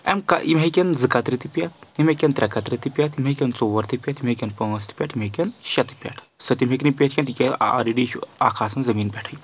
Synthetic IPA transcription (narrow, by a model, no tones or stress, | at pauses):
ɛ̰mka̰ʔimɦekʲɐnd͡zɨkat̪ɾit̪ipʲjat̪̚ʰimekʲɐnt̪ɾʲakat̪ɾʲit̪ipʲjat̪imekʲɐnt͡soʋɐɾt̪ipʲjat̪imekʲɐnpəŋɐst̪ʰi̥pʲaʈʰimekʲɐnʃɐt̪i̥pʲa̰ʈʰ | sət̪imʲeknipʲaʈ̪ʰkʲent̪ikʲaa̰ɾiɖiʃua̰kʰaːsɐnzɐmiːnpʲɛʈʰəj